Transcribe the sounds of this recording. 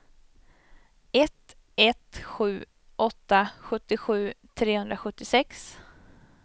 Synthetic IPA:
ɛt̪ | ɛt̪ɧʉ̟ː | ʔɔt̪ːaɧɵt̪ːɪɧʉ̟ːt̪ʰɾeːhɵnd̪ɾaɧɵt̪ːɪsɛks

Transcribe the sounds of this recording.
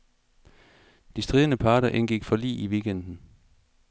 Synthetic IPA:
d̥isd̥ʁiːð̞ˠənəpʰɑ̈ːɾɐʔenɡ̥iɡ̥fɒ̽lḭːiʋiːɡ̥end̥n̩

